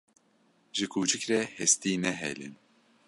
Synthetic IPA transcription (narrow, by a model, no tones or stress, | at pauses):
ʒɨkʰuːt͡ʃɨkɾɛhɛst̪iːnɛɦɛ̰lḭn